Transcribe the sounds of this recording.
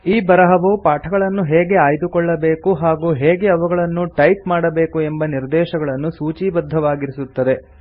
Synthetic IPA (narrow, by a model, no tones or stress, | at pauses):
iːbɐɾɐɦɐʋɐpaːʈʰɐɡɐɭɐnːuɦeːɡe̞aːjd̪ukɔɭːɐbeːkuɦaːɡuːɦeːɡe̞ɐʋɐɡɐɭɐnːuʈɐjp̚maːɽɐbeːkue̞mbɐniɾd̪ɛːʃɐɡɐɭɐnːusuːt͡ʃiːbɐd̪ʱːɐʋaːɡiɾisut̪ːɐd̪e̞